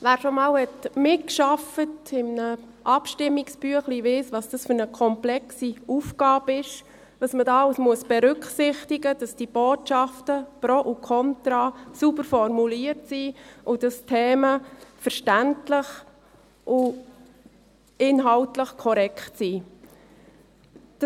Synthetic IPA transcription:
ʋæːɾʃomɑːlhɛtmɪkʃɑfətɪmnə | ʔɑpʃtɪmːiksb̥yəχliʋɪsʋɑsd̥ɑsfʏɾnəkʰɔmplɛksiufɡ̥ɑːbɪʃ | tɑsmədɑwsmuəsb̥ɛɾʏkχsɪχtiɡəd̥ɑsd̥ib̥oːtʃɑftəpɾoʔukʰɔntɾɑːsubəɾfɔɾmuliəɾtsiːʊd̥ɑstʰɛːməfəɾʃtæntləχ | ʔʊ | ɪnɦɑltləχkʰɔɾɛktsi | d̥

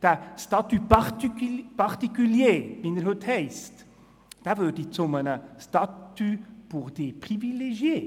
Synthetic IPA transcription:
d̥æstɑt̪ypɑʁtpɑʁt̪ikyljeːvinəɾhɵthɛɪst | d̥avødit͡sʊmənəstɑtyb̥uʁdeːpʁivileʒjeː

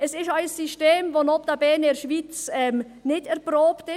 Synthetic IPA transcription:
ɛsɪʃaɪssiʃteːmvonɔp̚d̥abɛːnɛːɾʃviːt͡sɛm | nɪdɛɾpɾoːptɪ

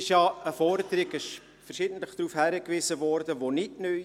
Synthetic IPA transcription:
ɪʃjɑəfɔɾdəɾɪɡɪʃ | fərʃɪdən̩tləχd̥ɾuːfhæɾəkʋizəʋɔɾdəʋonɪtnœ

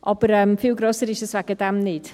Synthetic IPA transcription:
ɔbəɾəːmfɪwɡrɔsəɾiʃəstvaɡədamniːd̥

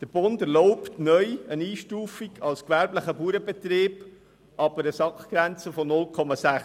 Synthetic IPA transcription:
d̪̥əɾb̥ʊndæɾlɔʊptnœʏəniːʃtuːfiɡɑlskʋæɾbləχəbuːɾəbet̪ɾeːb̥ | ʔɑb̥əɾəsɑkχɡ̥ɾænt͡səfɔnʊlkʰɔmɑsæχ

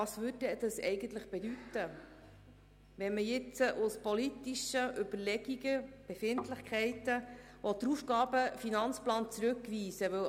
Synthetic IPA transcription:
ɑsʋɵdɛd̥̪ɑsɛ̰ɪɡ̥ənt̪ləχb̥ɛd̪ytə | ʋɛnməjɪt͡səʔʊspɔlit̪iʃəʔʏb̥əɾlɛɡiɡəb̥ɛfɪntləχkʰχɛɪtə | ʋɔt̪ɾufɡɑːbəfinɑnt͡splɑːnt͡sɾɵkːʋiːsəʋɵ

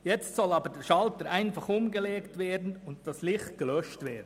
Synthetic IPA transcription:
jɛt͡stsɔlɑːbəɾdɛːɾʃɑltəɾʔæɪnfɑχʊmɡəleːktveːdn̩ʊnt̚d̥ɑslɪχt̚ɡ̥əlœʃtveːɐdn̩

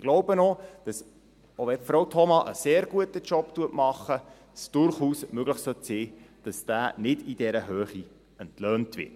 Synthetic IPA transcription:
ɡ̥loʊbənɔd̥ɑs | oʋɛfɾowtʰɔmɑʔəseːɾɡuətət͡ʃɔptuətmɑχːə | sd̥ʊɾχuːsmøɡləχsœtsiːd̥ɑsd̥æːnɪdid̥ɛɾəɦøːχi | əntløːntvʋɪ̰t

